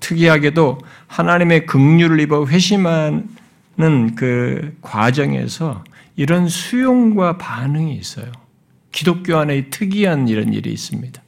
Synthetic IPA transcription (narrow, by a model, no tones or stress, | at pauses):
tʰɯɡiɦaɡe̞do | hanaɲime̞kɯŋɲuɾɯɭibʌɸwe̞ɕʰimɦa | nɯnkɯkwad͡ʑʌŋe̞̰sʰʌ | iɾʌnsʰujoŋɡwapanɯŋiːs͈ʌ̰jo | kidok͈̚joɦanetʰɯɡiɦanɯniɾʌnḭɾḭːs͈ɯmɲid̥a